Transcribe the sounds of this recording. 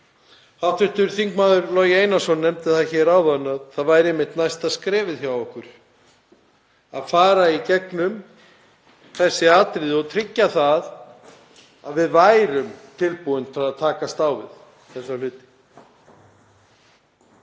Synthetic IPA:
hat̪ʰʏht̪ʏɾ̥θiŋkmaːðʏɾlɔːjɪeːjnasɔnːɛmt̪ɪθaðçɛːɾawðanːaðθaðvajɾemːɪht̪najst̪aðskɾɛːvɪðθjawɔhkʏɾ̥ | aðfaːɾaicɛknʏm | θɛsːɪaːt̪ɾɪðɪɔɣt̪ʰɾɪcːaθað | aðvɪðvaːjɾʏmt̪ʰɪlpuʏnt̪fɾaðaðt̪ʰaːkast̪aːwvɪ̰ð | θɛsːalʏːt̪ɪ̥

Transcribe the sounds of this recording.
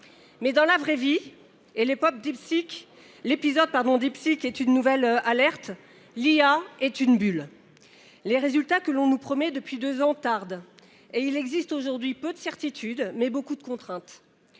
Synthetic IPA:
mɛd̪ɑ̃lavʁɛvi | elepɔp̚d̪ipsik | lepizɔd̪̚paʁd̪ɔ̃d̪ipsikɛt̪ynːuvɛlalɛʁt̪ | liaɛt̪ynbyl | leʁezylt̪akəlɔ̃nupχɔmɛd̪əpɥid̪øzɑ̃t̪aʁd̪ | eilɛɡzist̪oʒuʁd̪ɥipød̪əsɛʁt̪it̪ʰyd̪mɛbokud̪əkɔ̃t̪χɛ̃t̪

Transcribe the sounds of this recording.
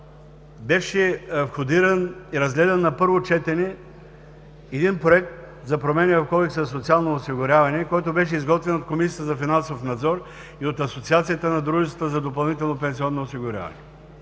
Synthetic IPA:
bɛʃɛfxod̪iɾɐniɾɐzɡlɛd̪ɛnːɐpɤɾvot͡ʃɛt̪ɛnɛ | ɛd̪inpɾoɛk̚t̪̚ | zɐpɾomɛnivɐfkɔlɛksɐsot̪sialˠnoːsiɡʊɾʲavɐnɛkɔjt̪obɛʃ̬ɛizɡɔt̪vɛnot̪komisijət̪əzɐfinãnsofnɐd̪zɔɾ | iot̪ɐsot̪siat̪sijət̪ənɐd̪ɾuʒɛt̪ət̪əzɐd̪opɐlˠnit̪ɛlˠnopɛnsiɔnːoosiɡʊɾʲa̰vɐ̰nɛ

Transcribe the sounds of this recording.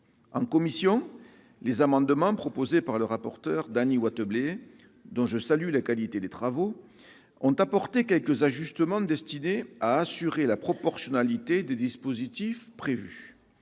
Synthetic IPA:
ɑ̰̃ŋkɔmisjɔ̃ | lezamɑ̃d̪əmɑ̃pχɔpozepaʁləʁapɔʁt̪œʁd̪aniwat̪əble | d̪ɔ̃ʒəsalylakalit̪ed̪et̪χavo | ɔ̃t̪apɔʁt̪ekʲɛlkəzaʒyst̪əmɑ̃d̪ɛst̪ineaːsyʁelapχɔpɔʁsjɔnalit̪ed̪ed̪ispozit̪ifpχevy

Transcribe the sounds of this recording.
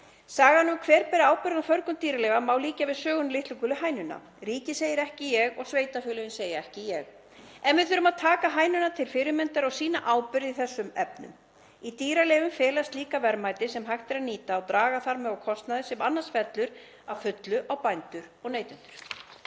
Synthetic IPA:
saːɣanːʏmkʰvɛːɾpɛɾɪaːwpʏɾðnafœɾkʏnt̪iːɾalɛvamawliːcavɪðsœːɣʏnlɪht̪ukʏlʏɦaːjnʏnːa̰ | ɾiːcɪseːjɪɾɛhcɪjɛɣɔɣsveːjt̪afʏːlʏɪnseːjaɛhcɪjɛɣ | ɛnvɪðθʏːɾʏmaðt̪ʰaːkaɦaːjnʏnat̪ʰɪlfɪɾʏmɛnt̪aɾɔɣsiːnaʔaːwpʏɾðɪθɛsːʏmɛpnʏ̰m | it̪iːɾalɛːvʏmfɛːlast̪liːkavɛɾmajt̪ɪsɛmɦajxt̪ɪɾaðniːt̪aːwt̪ɾaːɣaθaɾmɛðɔɣkʰɔst̪naðɪsɛmanːansfɛt̪lʏɾ | avfʏt̪lʏʔawpajnt̪ʏɾɔɣneːjt̪ʏnt̪ʏɾ̥

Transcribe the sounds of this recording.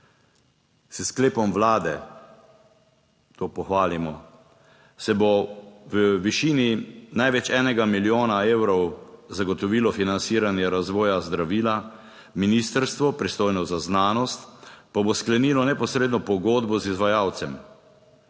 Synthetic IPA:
səskleːpɔmʋlaːd̪ɛ̰ | t̪oːpɔxʋaːlimɔ | sɛboʋəʋiʃiːninajʋɛt͡ʃɛːnɛɡamiljoːnaeːwɾɔwzaɡɔt̪ɔʋiːlɔfinansiːɾanjɛɾazʋɔːjazd̪ɾaʋiːla | miniːst̪əɾst̪ʋɔpɾist̪oːjnɔzaznaːnɔst̪pabosklɛniːlɔnɛpɔsɾeːd̪nɔpɔɡoːd̪bɔzizʋajawt̪sɛm

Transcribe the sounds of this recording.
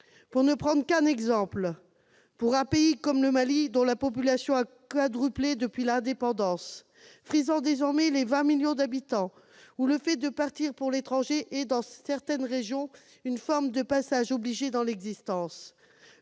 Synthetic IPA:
puʁnəpχɑ̃d̪ʁkɛ̃nɛɡzɑ̃pl | puʁɛ̃peikɔmləmalid̪ɔ̃lapɔp̬ylasjɔ̃akad̪ʁypled̪əpɥilɛ̃d̪epɑ̃d̪ɑ̃s | fχizɑ̃d̪ezɔʁmɛlevɛ̃miljɔ̃d̪abit̪ɑ̃ | uləfɛd̪əpaʁt̪iʁpuʁlet̪χɑ̃ʒeʔɛd̪ɑ̃sɛʁt̪ɛnʁeʒjɔ̃ | ynfɔʁmd̪əpasaʒobliʒed̪ɑ̃lɛɡzist̪ɑ̃s

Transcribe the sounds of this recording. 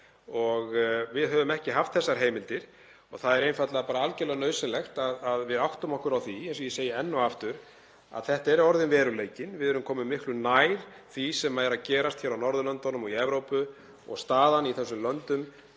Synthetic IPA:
ɔɣvɪðɦœːvʏmɛhcɪɦaft̪θɛsːaɾ̥ɦeːjmɪlt̪ɪɾ̥ | ɔɣθaðɛɾejnfat̪laðapaːɾaalcɛlaɣnœɥsɪlɛxt̪aðaðvɪðawht̪ʏmɔhkʏɾawθiɛns̬ɔjɛseːjɪɛnːɔaft̪ʏɾ̥ | a̰ðθɛht̪aɛɾɔɾðɪnvɛːɾʏleːjcɪnvɪðɛɾʏmkʰɔːmɪmɪhklʏnajɾ̥θisɛmːajɾacɛːɾast̪çɛːɾawnɔɾðʏlœnt̪ɔnʏmɔiɛvɾowpʏ | ɔ̰ɣst̪aːðaniθɛsːʏmlœnt̪ʏm

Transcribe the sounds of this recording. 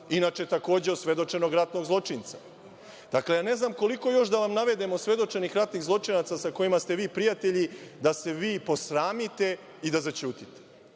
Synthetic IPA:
inaːt͡ʃet̪ako̞ːd͡ʑeosʋe̞d̪o̞t͡ʂe̞no̞ɡɾat̪no̞ɡzlˠo̞t͡ʂint̪sa | d̪̥aklejane̞znaːmko̞liko̞jo̞ʃd̪aʋamnaʋe̞d̪e̞mosʋe̞d̪o̞t͡ʂe̞nixɾat̪niɣzlˠo̞t͡ʂinat̪sasako̞jimast̪e̞ʋiːpɾijat̪eʎid̪ase̞ʋiːpo̞sɾaːmit̪e̞ | id̪azat͡ɕuːt̪it̪e̥

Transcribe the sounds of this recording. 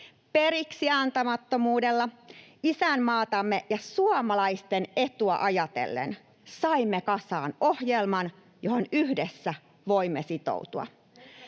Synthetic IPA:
pe̞ɾiksiɑnt̪ɑmɑt̪ːo̞muːdelːɑisænːɑːt̪ɑmːejɑsuɑmɑlɑist̪ene̞t̪uɑ̰ʔɑjɑt̪ḛlːḛn | sɑimːekɑsɑːno̞hjelmɑn | joho̞nyhdesːæ | ʋo̞imːesit̪o̰ut̪uɑ̰

